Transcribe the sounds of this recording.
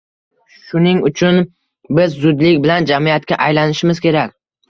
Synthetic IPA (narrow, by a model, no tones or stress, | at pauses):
ʃʊnɪŋʊt͡ʃʰʊn | bɪzːʊd̪lɪkʲbɪland͡ʒamiat̪kʲaʔajlanɪʃɪmɪz̥kʲʰe̞ɾakʲ